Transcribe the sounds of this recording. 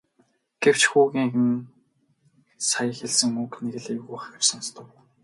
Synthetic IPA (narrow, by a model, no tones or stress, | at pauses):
ɡ̥ew̥t͡ɕxuːɣʲiːŋxɘ̆n | sajə̆xeɮsɘ̆ŋukneɣɘ̆ɮeɣuːχxarsanst̪ʰə̆w